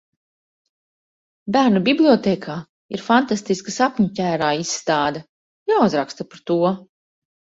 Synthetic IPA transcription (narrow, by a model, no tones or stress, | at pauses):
bæːɾnubiblʲˠiɔt̪eːkʰaː | iɾfant̪ast̪iskasapɲucʲæːɾaːisːt̪aːd̪ɐ | jauzɾakst̪apaɾt̪uɔ